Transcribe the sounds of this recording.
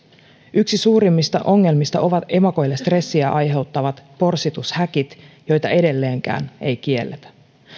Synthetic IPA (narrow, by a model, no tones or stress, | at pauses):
yksisuːɾimːist̪ɑʔo̞ŋːe̞lmist̪ɑʔo̞ʋɑt̪e̞mɑko̞jlːe̞st̪re̞sːiæʔɑjɦe̞wt̪ːɑʋɑt̪po̞rsit̪ushæk̟it̪jo̞jt̪ɑe̞de̞lːe̞ːŋkæ̰ːne̞jk̟ie̞lːet̪æ̥